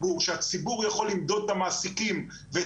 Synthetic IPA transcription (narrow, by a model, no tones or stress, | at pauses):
uʁʃeat͡sibuʁjaχo̞lːimd̪o̞d̪et̪amaːsikim | ve